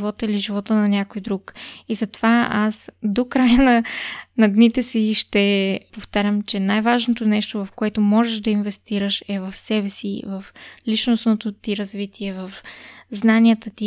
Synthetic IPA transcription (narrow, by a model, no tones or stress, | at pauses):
vɔt̪əiliʒivɔt̪ənɐnʲakojd̪ɾukizɐt̪ovaasd̪okɾajənɐnɐd̪nit̪ɛsiʃt̪ɛpoft̪aɾʲəmt͡ʃɛnajvaʒnot̪onɛʃt̪ovɐfkoɛt̪omɔʒɛʒd̪ɐinvɛst̪iɾəʃɛvɐfsɛbɛsḭvɐflit͡ʃnosnot̪ot̪iɾɐzvit̪iɛvɐfznaniɛt̪ət̪i